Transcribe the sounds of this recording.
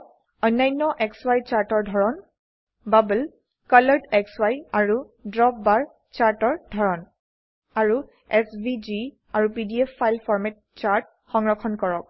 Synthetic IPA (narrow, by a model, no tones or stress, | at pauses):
ɔjnːajnːɔʔɛkswajt͡ʃaɹtɔɹdʱɔɹɔn | babul | kalaɹdɛkswajaɹu | dɹɔp̚baɹ | t͡ʃaɹtɔɹdʱɔɹɔn | aɹu | ɛsbid͡ʒi | aɹupidiɛpʰːajlpʰɔɹmɛt̚t͡ʃaɹt̚ | xɔŋɹɔkʰɔnkɔɹɔk̚